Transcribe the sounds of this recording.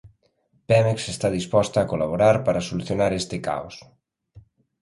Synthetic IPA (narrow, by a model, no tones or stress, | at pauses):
pɛmeksest̪aðispɔst̪aːkolaβoɾaɾpaɾasoluθjonaɾest̪ɪka̰os